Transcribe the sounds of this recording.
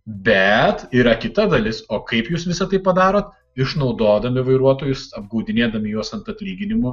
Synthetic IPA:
bʲɛt̪iːɾɐkʲɪt̪ɐd̪ɐlʲɪsoːkɐɪpjuːsʋʲɪsɐt̪ɐɪpɐd̪ɑːɾoːt̪ | ɪʃnɒʊd̪oːd̪ɐmʲɪʋɐɪɾuɔt̪oːjʊsɐb̚ɡɐʊd̪ʲɪnʲeːd̪ɐmʲɪjoɔsɐnt̪ɐt̪ʲlʲiːɡʲɪnʲɪmʊ

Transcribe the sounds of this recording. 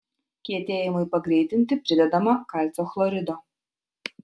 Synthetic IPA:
kʲiɛt̪ʲeːjɪmɐɪpɐɡɾʲiɪt̪ʲɪnʲt̪ʲɪpʲɾʲɪd̪ʲɛd̪ɐmɐkɐlʲt̪sʲoxlˠɔɾʲɪd̪oː

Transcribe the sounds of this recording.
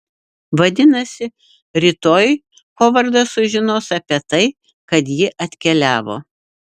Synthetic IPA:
ʋɐd̪ʲɪnɐsʲɪ | ɾʲɪːt̪oːj | koːʋɐɾd̪ɐsʊʒʲɪnoːsɐpʲiɛt̪ɐɪ | kɐt̪jɪʔɐt̪ʲkʲɛlʲæːʋo̰ː

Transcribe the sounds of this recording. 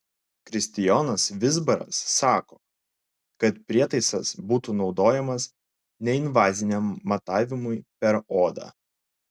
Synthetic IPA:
kɾʲɪsʲt̪ʲɪjoːnɐsʋʲɪzbɐɾɐ̰sːɑːkoː | kɐt̪pʲɾʲiɛt̪ɐɪsɐsbuːt̪uːnɒʊd̪oːjɛmɐs | nʲɛɪnʋɑːzʲɪnʲɛmːɐt̪ɑːʋʲɪmʊɪpʲɛɾoːd̪ɑ̰ː

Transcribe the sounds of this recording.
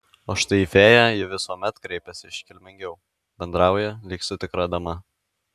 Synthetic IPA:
oːʃt̪ɐɪifʲeːjɛjɪʋʲɪsuɔmʲɛt̪kɾʲɛɪpʲɛsʲɪɪʃʲkʲɪlʲmʲɪŋʲɡʲɛʊ | bʲɛnd̪ɾɑˑʊjɛlʲiːksʊt̪ʲɪkɾɐd̪ɐmɐ

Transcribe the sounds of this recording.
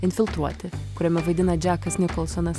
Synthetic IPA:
ɪnʲfʲɪlˠt̪ɾuɔt̪ʲɪkʊɾʲɛmʲɛʋɐɪd̪ʲɪnɐd͡ʒʲæːkɐsnʲɪkɔlˠsɔnɐs

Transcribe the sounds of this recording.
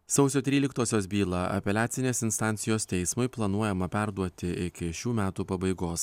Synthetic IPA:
sɒʊsʲoːt̪ʲɾʲiːlʲɪkt̪oːsʲoːsbʲiːlˠɐʔɐ̰pʲɛlʲæːt̪sʲɪnʲeːsɪnst̪ɑˑnʲt̪sʲɪjoːst̪ʲɛɪsmʊɪplˠɐnuɔjɛmɐpʲæɾd̪uɔt̪ʲɪɪkʲɪʃʲuːmʲæːt̪uːpɐbɐɪɡoːs

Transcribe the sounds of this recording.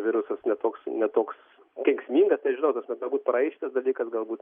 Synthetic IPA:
ʋʲɪɾʊsɐsnʲɛt̪oːksnʲɛt̪oːks | kʲɛŋksʲmʲiːŋɡɐst̪ʲɐɐʃʒʲɪnɐʊt̪oːsmʲɛt̪ɡɐlˠbuːt̪̚pɾɐɛɪʃʲɪt̪ɐsd̪ɐlʲiːkɐsɡɐlˠbuːt̪

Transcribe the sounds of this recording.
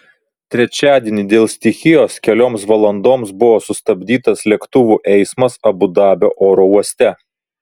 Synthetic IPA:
t̪ʲɾʲɛt͡ʃʲæːd̪ʲiɛnʲiːd̪ʲeːlˠsʲt̪ʲɪxʲɪjoːskʲɛlʲoːmsʋɐlˠɐnd̪oːmsbʊʋoːsʊst̪ɐbʲd̪ʲiːt̪ɐslʲɛkt̪ʊʋuːˑʔɛɪsmɐsɐbʊd̪ɑːbʲoːʔoːɾouɔsʲt̪ʲɛ

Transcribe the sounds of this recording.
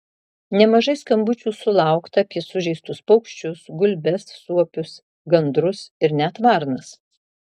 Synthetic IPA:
nʲɛmɐʒɐɪskɐmbʊt͡ʃʲuːsʊlˠɑˑʊkt̪ɐɐːpʲiɛsʊʒʲɛɪst̪ʊspɒʊkʃʲt͡ʃʲʊsɡʊlʲbʲɛsːuɔpʲʊs | ɡɐnd̪ɾʊsɪɾnʲɛt̪ʋɑˑɾnɐs

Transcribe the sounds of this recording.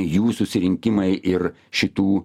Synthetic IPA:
juːsʊsʲɪɾʲɪŋʲkʲɪmɐɪʔɪɾ | ʃʲɪt̪uː

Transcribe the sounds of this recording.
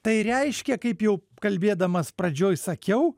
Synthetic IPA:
t̪ɐɪɾʲɛɪʃʲkʲɛkɐɪpjɛʊ | kɐlʲbʲeːd̪ɐmɐspɾɐd͡ʒʲoːjsɐkʲɛʊ

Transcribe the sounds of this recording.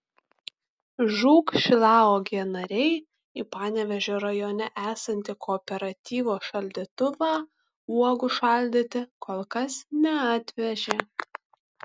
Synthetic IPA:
ʒuːkʃʲɪlˠɑːoːɡʲiɛnɐɾʲɛɪ | ipɑːnʲɛʋʲɛʒʲoːɾɐjoːnʲɛʔæːsɐnʲt̪ʲɪkʰoːpʲɛɾɐt̪ʲiːʋoːʃɐlʲd̪ʲit̪ʊʋɑː | uɔɡʊʃɐˑlʲd̪ʲɪt̪ʲɪkoːlˠkɐsnʲɛɑːt̪ʲʋʲɛʒʲeː

